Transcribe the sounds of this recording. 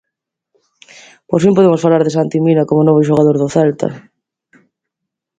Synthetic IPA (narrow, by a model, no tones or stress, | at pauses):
posfimpoðemosfalaɾðɪsant̪iminakomonoβ̞ʊʃ̬oɣaðoɾðʊθɛlt̪a̰